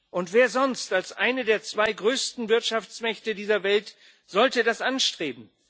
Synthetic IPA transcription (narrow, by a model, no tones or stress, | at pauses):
ʔʊntv̥eːɐzɔnstalsʔaɪnədeːɐt͡sv̥aɪɡʁøːstn̩vɪɐtʃaft͡smɛçtədiːzɐvɛlt | z̥ɔltədasʔanʃtʁ̥eːbm̩